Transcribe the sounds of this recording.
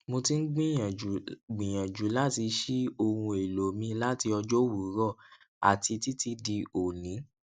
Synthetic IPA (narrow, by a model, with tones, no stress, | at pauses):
mo˧ti˦n̩˦ɡ͡bĩ˦jã˨ɡ͡bĩ˨j̃ã˨d͡ʒu˨˦la˦ti˧ʃi˦o˧hũ˧e˨lo˨mĩ˧la˦ti˧ɔ˧d͡ʒɔ˦wu˨˦ɾɔ˦˨ | a̰˨ti˧ti˦ti˦di˧o˨nĩ˨˦